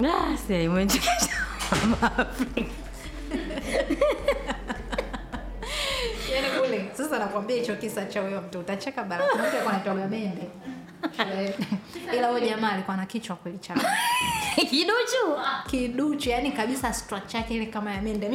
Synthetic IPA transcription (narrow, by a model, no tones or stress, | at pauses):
asiaimwɛd͡ʒit͡ʃaamafi | janikulɛsasanakuwambiahit͡ʃɔkisat͡ʃaujam̩tuutat͡ʃɛkaɓalanambiakwanaitaɡujamɛndɛ | ʃulɛilahɔʄamaːlikwanakit͡ʃwakwɛlit͡ʃa | kiɗut͡ʃukiɗut͡ʃujanikaɓisastɾak̚t͡ʃakɛilɛkamajamɛndɛ